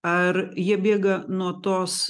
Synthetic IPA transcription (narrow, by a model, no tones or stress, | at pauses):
ɐɾjiɛbʲeːɡɐnuɔt̪oːs